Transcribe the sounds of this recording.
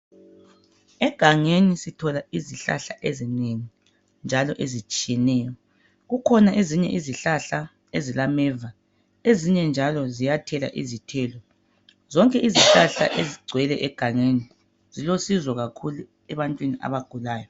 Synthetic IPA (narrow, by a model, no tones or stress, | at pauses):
ɛɡ̥ʱaŋenisitʰɔlaiziɬa̰ɬaʔezineŋi | nd͡ʒʱalɔʔezit͡ʃʼijɛnɛːjɔ | ɣukʰɔnaʔeziɲɛ̰ʔiziɬaɬa | ezilamɛːva | eziɲɛnd͡ʒʱalɔzijatʰɛla̰ʔizitʰɛlɔ | zɔŋkʼɛʔiziɬaɬa̰ʔeziɡ͡ǀʱwɛlɛʔɛɡ̥ʱaŋeni | z̥ilosizwɔɣakʰulu | ɛβantʼwinia̰βaɡ̥ʱulaːjɔ